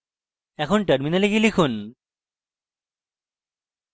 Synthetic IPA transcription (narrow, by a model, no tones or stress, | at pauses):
ɛkʰonʈɐɾminaleɡilikʰun